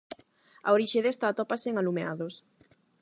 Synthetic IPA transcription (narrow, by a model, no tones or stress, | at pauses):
a̰oɾiʃeðest̪at̪oapaseŋalumeaðos